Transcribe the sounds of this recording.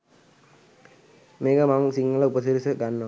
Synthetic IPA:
meːkəmaŋsiŋːəlɐupəsiɾisəɡ̪anːə

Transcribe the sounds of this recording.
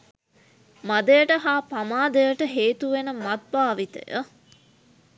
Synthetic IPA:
mad̪əjəʈəɦaːpamaːd̪ejəʈəɦeːt̪uʋenəmat̪̚baːʋit̪ə̰jə̰

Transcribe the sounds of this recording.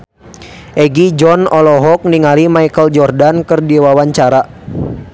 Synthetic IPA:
ʔɛɡid͡ʒɔnɔlɔɦɔk̚niŋalimaikəld͡ʒɔrdankərdiwawaɲt͡ʃaɾa

